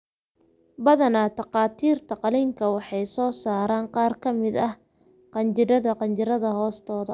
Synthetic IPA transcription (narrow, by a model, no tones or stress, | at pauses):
bɐðɐnat̪ɑqɑːt̪ʰiːrt̪ʰɐqɑliŋkʰɐwɑħɑjsɔːsaːɾaːɴqɑːrkʰɐmɪd̪ɐh | qɑnt͡ʃɪɾɐðɐqɑnt͡ʃɪɾɐðɐɦɔːst̪ʰɔːðɐ